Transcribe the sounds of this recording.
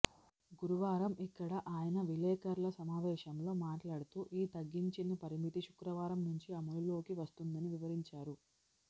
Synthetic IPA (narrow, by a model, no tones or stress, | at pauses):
ɡuɾuʋaːɾɐmʔikːɐɽɐʔaːjɐnɐʋilɛːkɐɾlɐsɐmaːʋɛːʃɐmlo̞ːmaːʈlaːɽut̪uːʔiːt̪ɐɡːiɲt͡ʃinɐpɐɾimit̪iʃu̥kɾɐʋaːɾɐmnuɲt͡ʃiɐmullo̞ːkiʋɐst̪und̪ɐniʋiʋɐɾiɲt͡ʃaːɾu